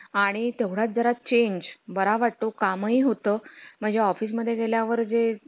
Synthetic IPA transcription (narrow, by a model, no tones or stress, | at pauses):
aɽ̃it̪eʋɽ̤at̪̚d͡zəɾat̪̚t͡ɕeɲd͡ʑbəɾaʋaʈ̚t̪okaməɦiɦot̪əːm̤əɳd͡zeɔfiːs̬məd̪ʱːjeɡeljaʋəɾd͡ze